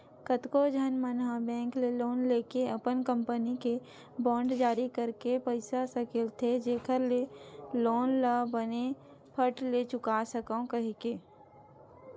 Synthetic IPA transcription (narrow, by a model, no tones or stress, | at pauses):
kət̪kod͡ʒʱənmənɦabɛ̃ːŋkleloːnleːkeəpənkə̃mpənike | bɔ̃ːɳɖd͡ʒaːɾikəɾkepəɪsasəkɪlt̪ʰed͡ʒeːkʰəɾleloːnlabəne | pʰəʈlet͡ʃʊkasəkãkəɦikeː